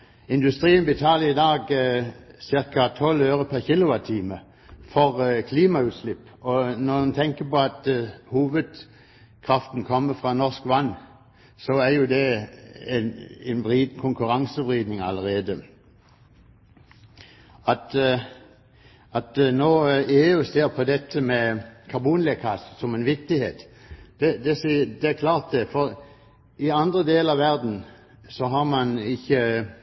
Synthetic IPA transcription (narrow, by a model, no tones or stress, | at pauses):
ɪnd̪ʉst̪ʁiːənbət̪ʰɑːləɪd̪ɑːɡ | sɪɾkɑt̪ʰɔløːɾəpʰæʁçɪlʊʋɑt̪ʰiːmə | fɔʁkʰliːmɑʉːt̪slɪpːɔnɔmɑnt̪ʰɛŋkəpɔɑt̪huːʋəd̪ | kʰʁɑft̪n̩kʰɔmːəfʁɑnɔskʋɑnː | sɔæʁjʊd̪ɛ | nɛnʁiːd̪̩kʰʊŋkʉɾɑŋsəʋʁiːd̪nɪŋɑləʁeːd̪ə | ɑt̪ | ɑt̪noːeːʉːseːʁpʰɔd̪ɛt̪ʰːəmɛkʰɑʁbuːnlekʰɑssɔmɛnʋɪk̚t̪ɪheːt̪d̪̥ɛd̪ɛsd̪ɛækʰlɑːʁt̪̚d̪ɛfɔʁ | ɪɑnd̪ʁəd̪eːləɑʋæʁd̪n̩ | sɔɦɑʁmɑnɪçə